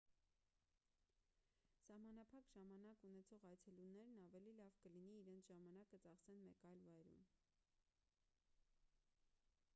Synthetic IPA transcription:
sɑhmɑnɑpʰɑkʒɑmɑnɑkunɛt͡sʰɔʁɑjt͡sʰɛlunːɛɾnɑvɛlilɑvkəliniːɾɛnt͡sʰʒɑmɑnɑkət͡sɑχsɛnmɛkɑjlvɑjɾṵn

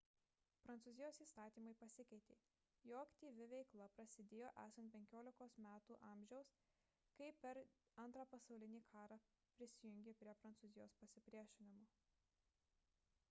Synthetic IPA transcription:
pɾɐnt̪uːzʲɪjoːsiːst̪ɑːt̪ʲiːmɐɪpɐsʲɪkʲɐɪt̪ʲeː | joːɐkt̪ʲiːʋʲɪʋʲɛɪklˠɐpɾɐsʲɪd̪ʲeːjoːʔæ̰ːsɐnt̪pʲɛŋʲkʲoːlʲɪkoːsmʲæːt̪uːʔɑːˑmʲʒʲɛʊs | kɐɪpʲɛɾ | ɐnt̪ɾɑːpɐsɐʊlʲɪnʲiːkʰɑːɾɑ | pʲɾʲɪsʲɪjʊŋʲɡʲepʲɾʲiɛpɾɐnt̪suːzʲɪjoːspɐsʲɪpʲɾʲiɛʃʲɪnʲɪmoː

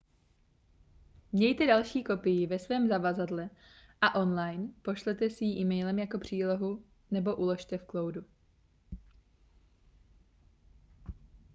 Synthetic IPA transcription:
mɲɛjt̪ɛdalʃiːko̞pɪjɪvɛsvɛːmzavazadlɛ | ʔaʔo̞nlajnpo̞ʃlɛt̪ɛsiːʔiːmɛjlɛmjako̞pr̝̥iːlo̞ɦu | nɛbo̞ʔulo̞ʃt̪ɛfklo̞wdu

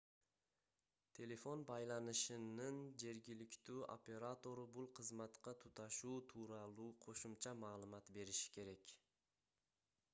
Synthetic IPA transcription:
t̪ʰe̞lʲe̞fo̞nbɑjlˠɑnɯʃɯnɯnd͡ʒe̞ɾɡʲilɪkʲt̪yːʔo̰pʲe̞ɾat̪o̞ɾubulˠqʰɯzmɑt̪qɑt̪ʰut̪ɑʃuːt̪ʰuːɾɑlˠuːqʰo̞ʃumt͡ʃɑmɑːlˠumɑt̪be̞ɾiʃi̥kʲʰe̞ɾekʲ

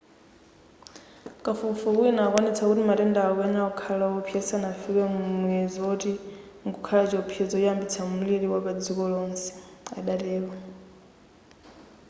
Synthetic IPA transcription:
kʼafufukwinaːkwanit͡sʰakutimatɛndaɔanaɔkʰalaɔpʰjɛsanafikɛmunuɛzɔti | ŋɡukʰalat͡ʃɔpʰjɛd͡zɔjambit͡sʰamuliɺiwapad͡zikɔlɔnsɛ̥a̰ɗatɛːwa

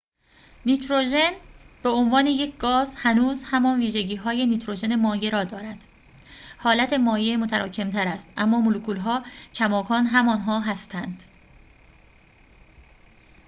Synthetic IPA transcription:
niːt̪ɾoʒe̞nb̥eonvɒːne̞je̞cʰɡɒːzhænuːzhæmɒːnviːʒeɟiːɦɒːje̞niːt̪ʰɾo̞d͡ʒe̞ne̞mɒːje̞ɾɒːd̪ɒːɾæd̪̥ | hɒːlæt̪ʰe̞mɒːje̞mot̪ʰæɾʔɒːcʰe̞mt̪ʰæɾæst̪ʔæmːɒːmolukʰuːlɦɒːcʰæmɒːkʰɒːnɦæmɒːnɦɒːɦæst̪ʰænd̪̥

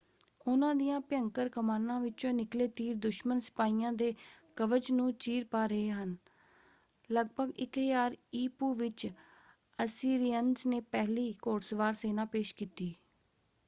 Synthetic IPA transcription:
ʊnãːd̪ijãːpjəŋkəɾkəmaːnãːʋɪt͡ʃõːnɪkleːt̪iːɾd̪ʊʃmənsɪ̥paːiːãːd̪eːkəʋəd͡ʒnũːt͡ʃiːɾpaːɾəɦeːɦən | ləɡ̚bʱəɡɪkɦjaːɾiːpuːʋɪt͡ʃ | əsiːɾiənzneːpɛːɦliːkoːʈsʋaːɾseːnãːpeːʃkiːt̪iː

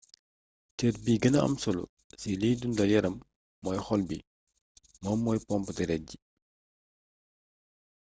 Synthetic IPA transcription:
tɛːrbiːɡənɐɐ̰msɔlṵ | siliːdundɐjɛɾɐmː | ɔːjxɔlbi | mɔmːɔːjpɔmpətiɾɛɟi

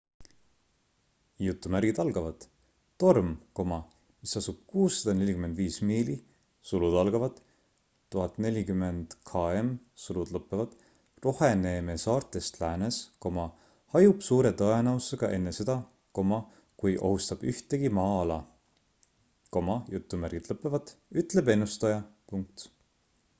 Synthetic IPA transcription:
jut̪ːˑumærɡ̥id̪̥ɑlɡ̥ɑvɑd̪̥ː | o̞rmko̞mɑ | misɑsub̥̚kuːsːɑd̪ɑne̞lʲikyme̞nd̪viːsmiːli | sulud̪̥ɑlɡ̥ɑvɑd̪̥ | t̪ːuɦɑt̪ne̞lʲikymːend̪̥kʰɑe̞m | sulud̪̥lɤpːˑevɑd̪̥ | ro̞heneme̞sɑːrt̪ːˑe̞st̪læːnesko̞mɑ | hɑjub̥suːɾe̞t̪ɤe̞nɑuse̞ɡ̥ɑʔe̞nːe̞se̞d̪ɑ | ko̞mɑ | kujʔo̞̰hust̪ɑb̥yht̪e̞ɡ̥imɑːɑlɑ | ko̞mɑjut̪ːumærɡ̥it̪lɤpːˑevɑd̪̥yt̪ːˑle̞be̞nːust̪ɑjɑpuŋk̚t̪

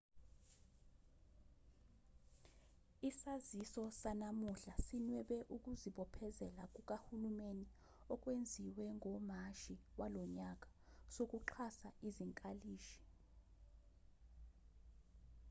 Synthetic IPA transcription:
isazisɔsanamuɬasinwɛɓɛʔuk̬ʼuziɓɔpʰɛzɛlak̬ʼuk̬ʼahulumeni | ɔk̬ʼwend͡zʱiwɛŋʱɔm̤aʃiwalɔɲak̬ʼḁsok̬ʼuǃʰasaʔiziŋkʼaliːʃi̥

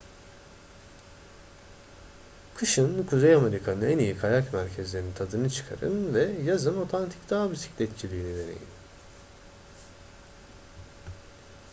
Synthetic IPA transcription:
kʰɯʃɯnkʰuzejame̞ɾikʰanɯɛnijikʰajakmæɾcʰɛzlʲe̞ɾinit̪ʰad̪ɯnɯt͡ʃʰɯ̥kʰa̰ɾɯ̰nvɛjazɯno̞t̪ʰant̪ʰi̥cd̪aɦbisi̥clʲɛt̪t͡ʃʰilʲiːnid̪e̞nḛjḭn

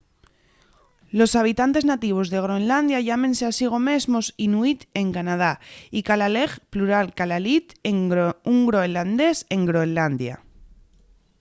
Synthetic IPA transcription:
lo̞saβ̞it̪ant̪e̞znat̪iβ̞o̞zðe̞ɣ̞ɾo̞enland̪jaʝamẽ̞nseasiɣ̞o̞me̞zmo̞sinuit̪e̞ŋkanað̞aikalale̞ɣpluɾalkalalit̪euŋɡɾo̞eland̪e̞se̞ŋɡɾoeland̪ja̰

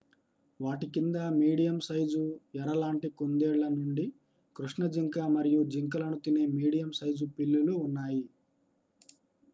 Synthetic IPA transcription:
ʋaːʈikind̪ɐmiːɽijɐmsɐjd͡ʒuɛɾɐlaːɳʈikond̪eːɭlɐnuɳɖi | kɾuʂɳɐd͡ʒiŋkaːmɐɾijud͡ʒiŋkɐlɐnut̪ineːmiːɽijɐmsɐjd͡ʒupilːuluːnːaːji

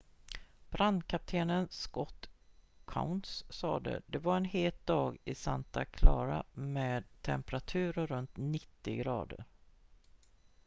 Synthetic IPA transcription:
b̥ɾand̪kʰap̚t̪ʰeːnənskɔt̪kʰa̰ʊnt̪ssɑːd̪ə̰d̪ɛvaɾɛnɦeːt̪̚d̪ɑːɡɪsant̪akʰlɑːɾameːd̪̚t̪ʰɛmpəɾat̪ʰʉ̟ːɾəɾɵnt̪nɪt̪ːɪɡɾɑ̰ːd̪əɾ

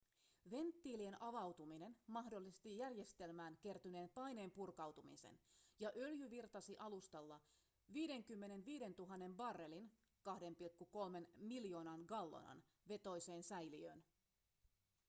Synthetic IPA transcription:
ʋe̞nt̪ːiːlie̞nʔɑʋɑwt̪umine̞nmɑɦdo̞lːist̪ijærje̞st̪e̞lmæːnke̞rt̪yne̞ːmpɑjne̞ːmpurkɑwt̪umḭsḛnjɑʔø̞ljyʋirt̪ɑsiʔɑlust̪ɑlːɑ | ʋiːde̞ŋkymːe̞ne̞nʋiːde̞nt̪uɦɑnːe̞mbɑrːe̞lin | kɑhde̞mpilkːuko̞lme̞nmiljo̞ːnɑnɡɑlːo̰nɑ̰n | ʋe̞t̪o̞jse̞ːnsæjliø̰ːn

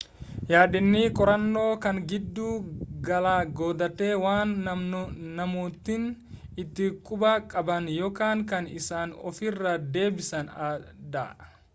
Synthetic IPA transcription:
jaːᶑɪnːiːkʼɔɾɐnːo̞ːkɐŋɡɪd̪ːuːɡɐlaːɡoːd̪ɐt̪ːe̞ːwaːn | nɐmuːt̪ːɪnɪt̪ːɪkʼʊbɐkʼɐbɐnjɔkaːŋkɐnɪsaːnɔfɪrːɐd̪e̞ːbɪsɐnad̪ɐ̰

